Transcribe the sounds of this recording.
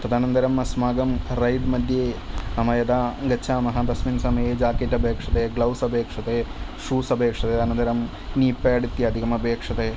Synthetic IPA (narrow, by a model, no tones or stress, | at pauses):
t̪ɐd̪ʱaːnɐnd̪ɐɾɐmɐsmaːɡɐmɾɐjɖmɐd̪ʱjeːɐmɐjɐd̪aːɡɐt͡ʃʰaːmɐɦɐbɐsminsɐmɐjeːd͡ʒaːkeːʈɐbʱeːkʂɐt̪eːɡlɐwsɐbʱeːkʂɐt̪eːʂuːsɐbʱeːkʂɐt̪eːɐd̪aːnɐnd̪ɐɾɐm | niːpːeːɐɽit̪ːjɐɐd̪ʱikɐmɐbʱeːkʂɐt̪eː